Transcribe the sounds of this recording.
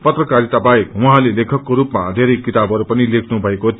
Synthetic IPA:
pʌt̪rʌkaɾit̪abajekwɦãlelekʰʌkːoɾupmad̪ʱeɾʌjkit̪abʱʌɾupʌnilekʰnubʱʌeko

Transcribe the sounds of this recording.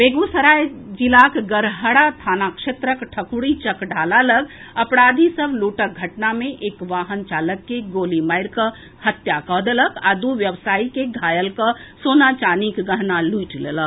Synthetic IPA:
beɡusəɾajd͡ʒilakɡəɾɦəɽat̪ʰaːnakʃet̪ɾəkʈʰəkuɽit͡ʃəkɖʱaːlaləɡɐpɾad̪ʱisəbluːʈək̚ɡʱəʈnamẽʔeːkʋaːɦənt͡ʃaːləkːeɡoːlimajɾkə | hət̪jakəɦd̪eləkad̪uʋjəʋsaːikeɡʱaːjəlkəsonat͡ʃaːnikɡəɦnaluiʈlelək

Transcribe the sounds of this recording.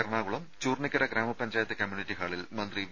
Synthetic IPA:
ɐɾɐɳaːɣuɭɐmt͡ɕuːrɳikːɐɾɐɡɾaːmɐpːɐɲd͡ʑaːjɐt̪ːɨkʲɐmjuːniʈːiɦaːɭilmɐnd̪ri

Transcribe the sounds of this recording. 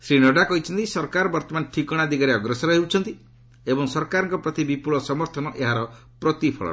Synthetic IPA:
sɾinɔɖakɔɦit͡ʃʰɔnt̪isɔɾkaɾɔbɔɾt̪ɔmanʈʰikɔɽ̃ad̪iɡaɾeɔɡɾesɔɾɔɦewt͡ʃʰɔnt̪i | ebɔŋsɔɾkaɾɔŋkɔpɾɔt̪ibipuɭɔsɔmɔɾt̪ʰɔnɔʔeɦaɾɔ | pɾɔt̪ipʰɔ̰ɭɔ̰

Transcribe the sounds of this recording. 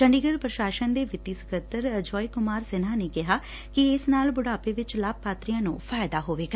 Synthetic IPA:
t͡ʃəɳɖiːɡəɾpɾəʃaːʃənd̪eːʋɪt̪iːsə̥kət̪ːəɾəd͡ʒɔːiːkʊmaːɾsɪnɦãːneːkɪɦaː | kɪɪsnaːlbʊɽaːpeːʋɪt͡ʃlaːb̚paːt̪ɾijãːnṵ̃ːpʰaːɪd̪aːɦoːʋeːɡaː

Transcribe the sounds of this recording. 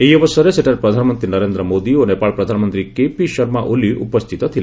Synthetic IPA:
eiɔbəsɔɾeseʈaɾpɾɔd̪ʱanəmənt̪ɾinəɾend̪ɾəmod̪ionepaɭpɾɔd̪ʱanɔmənt̪ɾikepiʃɔɾmaʔuliʔṵpɔst̪ʰit̪ɔt̪ʰil

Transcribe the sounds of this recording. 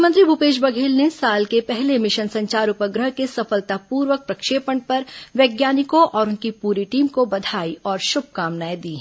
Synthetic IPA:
mə̃nt̪ɾibʱupeːʃ̬bɐɡʱeːlnesaːlkepɛɦlemɪʃənsɐ̃ɲt͡ʃaːɾʊpəɡɾəɦkesɐfəlt̪apuːɾʋək̚pɾɐkʃeːpəɳpɐɾʋjeːɡjaːnɪkõʔɔːɾʊnkipuːɾiʈiːmkobɐd̪ʱaːiɔːɾʃʊb̚ʱkaːmnaːjed̪iːɛ

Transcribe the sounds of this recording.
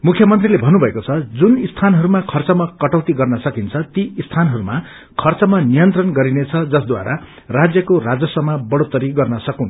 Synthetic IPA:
mukʰjʌmʌnt̪rilebʱʌnːubʱʌekot͡sʰʌd͡zunist̪ʰanɦʌɾumakʰʌrt͡sʌmakʌʈʌwt̪iɡʌrnʌsʌkint͡sʰʌt̪iist̪ʰanɦʌɾuma | kʰʌrt͡sʌmanijʌnt̪rʌnɡʌɾinet͡sʰʌd͡zʌsd̪wa̰ɾʔa | rad͡zjʌkorad͡zʌsʌmabʌɽot̪ːʌɾiɡʌrnʌsʌkũn

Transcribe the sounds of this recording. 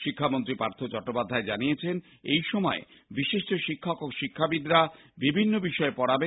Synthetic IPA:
ʃikʰːamont̪ɾipɾaɾt̪ʰot͡ɕɔk̚ʈːopad̪ʱːaed͡ʑaniet͡ɕʰen | ejʃɔmɔḛbiʃiʃʈoʃikʰːokoʃikʰːabid̪ɾa | bibʱinːobiʃɔepɔɽabe

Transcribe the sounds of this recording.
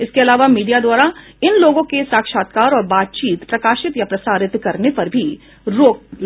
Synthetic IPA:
ɪskeɐlaːʋamiːɖijad̪waːɾa | ɪnloːɡõkesaːkʃaːt̪kaːɾɔːɾbaːt̪̚t͡ʃiːt̪pɾɐkaːʃɪt̪japɾɐsaːɾɪt̪kɐɾnepɐɾbʱi | ɾoːk̚

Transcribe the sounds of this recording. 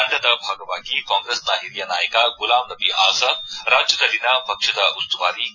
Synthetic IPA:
ɐɳɖɐd̪ɐbʱaːɡɐʋaːɡikaːŋɡɾesnaɦiɾjɐnaːjɐkaɡulaːmnɐbiʔaːsɐɾaːd͡ʒjɐd̪ɐlinɐpɐkʂɐd̪ɐʔust̪uʋaːɾi

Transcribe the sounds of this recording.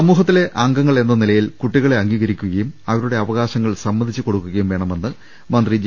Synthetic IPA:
sɐmːuːɦɐt̪ːile̞ʔɐŋɡɐŋːɐɭe̞nːɐnilɐjilkuʈːiɣɐɭeɐŋɡiːɣɐɾikʲːuɣɐjumɐʋɐɾuɽe̞ɐʋɐɣaːɕɐŋːɐɭsɐmːɐnd̪ʱit͡ɕːɨko̞ɽukːuɣɐjumʋe̞ːɳɐme̞nːɨ | mɐnd̪rid͡ʑ

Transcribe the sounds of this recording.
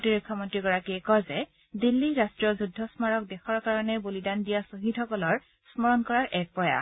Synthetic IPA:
tiɹukʰːɔmɔntɹiɡɔɹakiɛkɔzɛ | dilːiɹastɹijɔzudʱːɔsmaɹɔk̚dɛxɔɹkaɹɔnɛbolidandijasoɦithɔkɔlɔɹ | smɔɹɔnkɔɹaɹʔɛk̚pɹɔja̰

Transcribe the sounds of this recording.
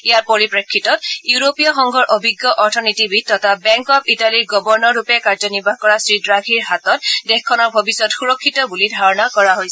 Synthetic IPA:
ijaɹpɔɹipɹekʰːitɔtjuɹopijɔxɔŋɡʱɔɹʔobʱiɡːjɔʔɔɹtʰɔnitibitɔtʰabɛŋkɔpitaliɹɡɔbɔɹnɔɹupɛkaɹzɔnibʱaɦkɔɹasɹidɹaɡʱiɹɦatɔt̚dexkʰːɔnɔɹbʱɔbisɔtxuɹɔkʰːitɔbulidʱaɹɔnakɔɹaɦojsɛ

